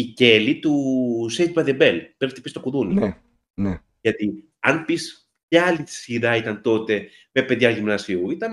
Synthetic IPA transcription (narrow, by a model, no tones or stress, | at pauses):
ice̞lit̪usejt̪̚bɐðebe̞lpɾepit̪ipist̪o̞kuðuni | ne | ʝɐt̪i | ɐnpis | pçɐɐlit̪i̥siɾɐit̪ɐnt̪o̞t̪e̞ | me̞pe̞ðʝɐʝimnɐsiuit̪ɐn